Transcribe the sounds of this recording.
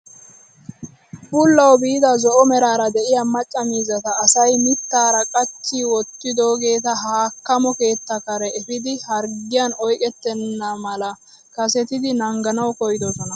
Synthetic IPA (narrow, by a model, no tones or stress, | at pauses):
bʊlːɐwbiːd̪ɐzɔʔɔmɛɾaːɾɐd̪ɛʔɪjɐmɐt͡ʃʼːɐmiːzɐt̪ɐːsɐjmɪt̪ːaːɾɐkʼɐt͡ʃːiːwɔt̪ːɪd̪o̞ːɡe̞ːt̪̬ɐɦaːkːɐmɔke̞ːt̪ːɐkɐɾɛɛfɪd̪ɪhɐɾɡɪjɐnɔjkʼɛt̪ːɛnːɐmɐlɐ | kɐsɛt̪ɪd̪ɪnɐŋɡɐnɐwkɔjd̪ɔsɔnɐ